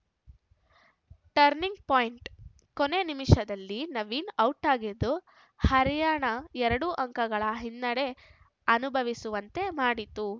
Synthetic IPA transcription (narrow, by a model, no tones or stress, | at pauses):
ʈɐɾniŋɡpoːjɳʈ | kone̞nimiʂɐd̪ɐlːinɐʋiːnɐwʈaːɡid̪ːu | hɐɾijaːɳɐɛɾɐɽuʔɐŋkɐɡɐɭɐɦinːɐɽe̞ | ɐnubʱɐʋisuʋɐnt̪e̞maːɽit̪u